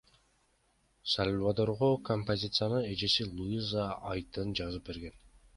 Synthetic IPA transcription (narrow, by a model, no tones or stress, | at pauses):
salʲvad̪oɾʁokompozʲit̪sɨjanɯe̞d͡ʒe̞silˠuizaɑjt̪ɯnd͡ʒɑzɯp̚be̞ɾɡe̞n